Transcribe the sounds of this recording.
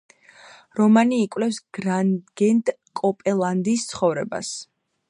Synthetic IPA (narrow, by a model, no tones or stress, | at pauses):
ɾɔmaniːkʼwlɛpsɡ̥ɾaɡ̥ɛnd̪ | kʼɔpʼɛlˠand̪ist̪sʰχɔvɾɛba̰s